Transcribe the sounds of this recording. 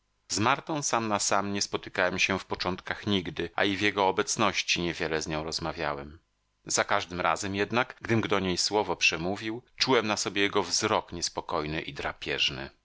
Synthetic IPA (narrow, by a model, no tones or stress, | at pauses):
zmaɾt̪ɔ̃w̃samnasamɲɛspɔt̪ɘ̥kawɛmɕɛfpɔt͡ʂɔnt̪kaxɲiɡd̪ɘa̰ivʲjɛɡɔːbɛt̪snɔɕt͡ɕiɲɛvʲjɛlɛzɲɔ̃w̃ɾɔzmavʲja̰wɛm | zakaʐd̪ɘmɾa̰zɛmjɛd̪nakɡd̪ɘmɡd̪ɔɲejswɔvɔpʂɛmuvʲiwt͡ʂuwɛmnasɔbʲjejɛɡɔvzɾɔkɲɛspɔkɔjnɘʔid̪ɾapʲjɛʐnɘ̰